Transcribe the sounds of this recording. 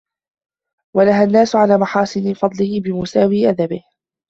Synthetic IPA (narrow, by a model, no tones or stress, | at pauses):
walaɦanːaːsʊʕalaːmaħɑːsˤɨnɪfɑd̪ˤlɪhbɪmʊsaːwiːʔad̪abɪh